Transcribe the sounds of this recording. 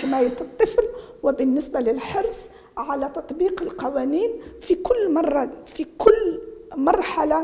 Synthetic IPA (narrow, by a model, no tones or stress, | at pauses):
ɪmæjæt̪t̪ˤːəflwəbənːəsbaləlħɑɾsˤ | ʕalæt̪ɑt̪ˤbiːqəlqɑwæniːnfikʊlːmɑrˤːɑfikʊlːmɑɾˤħala